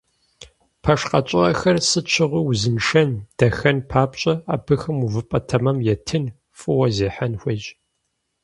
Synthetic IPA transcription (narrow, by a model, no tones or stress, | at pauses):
pʰɐʂqɐt͡ʃʼɪɐ̰xɐrsɨt͡ʃʰɪʁʷiwzɨnʂɐnd̥ɐxɐnpʰaːpɕʼɐa̰ːbɨxɨmuvɨpʼɐtʰɐmɐmjɛtʰɨn | fʼɨwɐzeːħanxʷed͡ʒ